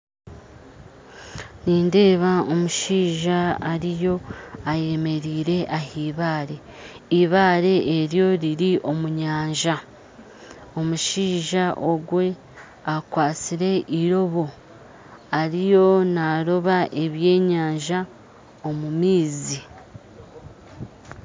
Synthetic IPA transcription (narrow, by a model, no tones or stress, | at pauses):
niːnde̞ːβao̞muʃiːʒaːɾijo̞aje̞me̞ɾiːɾe̞ʔahiːβaːɾe̞ | iβaːɾe̞ʔːɾjo̞ɾiɾiʔo̞muɲaːɲʒa | o̞muʃiːʒaʔo̞ɡwe̞ | akwaːt͡siɾe̞ʔiɾo̞βo̞ | aɾijo̞naɾo̞βaʔe̞βje̞ːɲaːɲʒa | o̞mumiːzi